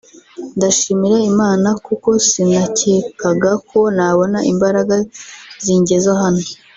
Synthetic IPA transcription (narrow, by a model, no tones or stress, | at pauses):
ndaʃiːmiɾaimaːnakuko̞sinaceːkaɡakʰo̞naβo̞naʔimbaɾaɡaziɲɟe̞zaɦano